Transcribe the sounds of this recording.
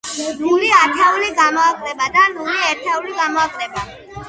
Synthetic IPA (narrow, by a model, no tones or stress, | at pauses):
nuliat̪ʰɛuliɡamɔakʼɾɛbad̪anuliɛɾt̪ʰɛuliɡamɔakʼɾɛba